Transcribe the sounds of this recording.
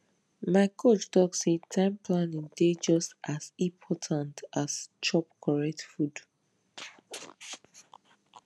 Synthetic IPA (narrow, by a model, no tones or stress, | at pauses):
maɪkʰot͡ʃtɔksetʰãɪ̃mpʰlãnĩŋded͡ʒɔstasĩpʰɔtʰãntast͡ʃɔpkʰɔɹɛk̚tfud